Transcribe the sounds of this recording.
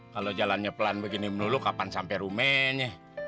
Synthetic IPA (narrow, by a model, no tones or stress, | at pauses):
kalod͡ʒalanɲapəlanbəɡinimənulukapansampɛɾumɛɲɛ